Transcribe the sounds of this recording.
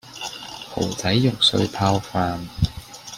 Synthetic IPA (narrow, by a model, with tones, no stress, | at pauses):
pʰo̰˨˩wt͡sɐ˨˥jːʊ˨˩ŋsɵ̰˧ɥpʰaː˧wfaː˧n